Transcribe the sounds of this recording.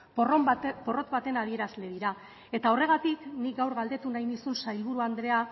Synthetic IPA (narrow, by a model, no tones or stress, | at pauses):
prpo̞ro̞t̪βat̪e̞nað̞ie̞ɾazle̞ðiɾa | e̞t̪ao̞re̞ɣ̞at̪iknik̚ɡawɾɣald̪e̞t̪unajnisunsajlβ̞uɾuand̪ɾe̞a